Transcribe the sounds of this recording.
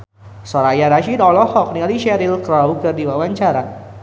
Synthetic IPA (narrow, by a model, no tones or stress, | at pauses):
sɔɾajaɾaʃidɔlɔhɔk̚nialiʃɛɾilkɾawkɨrdiwawaɲt͡ʃaɾa